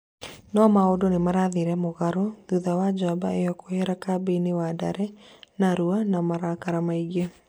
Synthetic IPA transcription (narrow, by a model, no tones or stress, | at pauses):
nɔmaodonemaɾaðiɾɛmoɣaɾoðuðawad͡ʒaba̰ejɔkoheɾakabeinewada̰ɾɛnaɾuanamaɾakaɾamaiɡe